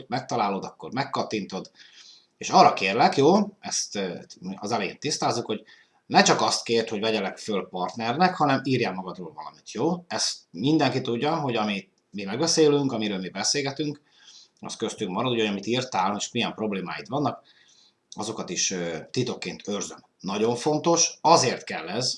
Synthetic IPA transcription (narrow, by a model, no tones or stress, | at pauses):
omɛk̚t̪ɒlaːlod̪ɒkːo̞̰rmɛkːɒt̪ːint̪o̞d̪ | eːʃɒːrːɒkeːrlɛkjoːɛst̪ːɒzɛlɛjḛːnt̪ist̪aːzːukho̞ɟ | nɛt͡ʃɒkɒst̪keːrt̪hoɟvɛɟɛlɛkfølpɒrt̪nɛrnɛkhɒnɛmiːrjaːmɒɡɒd̪roːlvɒlɒmit̪joːɛst̪mind̪ɛŋkit̪uɟːɒɦo̞ɟɒmi | mimɛɡbɛseːlyŋkɒmiɾøːlmibɛseːlɡɛt̪yŋk | ɒ̰st̪køst̪yŋk̚mɒɾɒd̪uɟojɒmit̪iːrt̪aːleʃmijɛmpro̞bleːma̰ːjit̪ʋɒnːɒk | ɒzo̞kɒt̪iʃøt̪ːit̪o̞kːeːnt̪ʰørzøm | nɒɟo̞ɱfo̞nt̪o̞ʃɒzeːrt̪kɛlːɛz